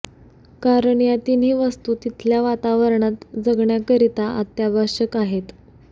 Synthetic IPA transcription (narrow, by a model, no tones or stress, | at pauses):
kaɾəɳjat̪inɦiːʋəst̪uːt̪it̪ʰljaʋat̪aʋəɾɳat̪d͡zəɡɳjakəɾit̪aʔa̰t̪jabʱaɕəkaɦet̪